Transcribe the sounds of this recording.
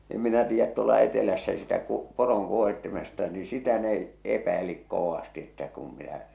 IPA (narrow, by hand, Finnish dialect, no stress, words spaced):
em minæ tiːjːæt tuolɑ etelæsːæ sitæ ku poroŋ kuohitːemis̆ĕstɑ ni sitæ ne epæilik koʋɑsti etːæ kum minæ